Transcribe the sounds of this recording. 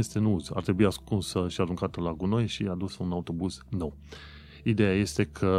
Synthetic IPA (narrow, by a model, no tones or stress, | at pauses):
est̪e̞nuuza̰rt̪ɾebuiaskunsəʃiaɾuŋkat̪əlaɡuno̞jʃiad̪usəunaut̪o̞buzno̞w | id̪e̞jaje̞st̪e̞kʰə